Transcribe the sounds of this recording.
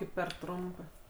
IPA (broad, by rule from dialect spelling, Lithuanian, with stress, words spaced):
ˈkɐɪp pʲɛr ˈtrʊmpɜ